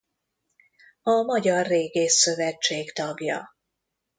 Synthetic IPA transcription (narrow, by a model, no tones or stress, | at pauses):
ɒmɒɟɒrːeːɡeːsøvɛt͡ʃːeːɡt̪ɒɡjɒ̰